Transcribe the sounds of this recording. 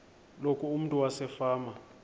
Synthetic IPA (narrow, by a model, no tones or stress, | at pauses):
lokʰuum̩tʼuwasɛfaːma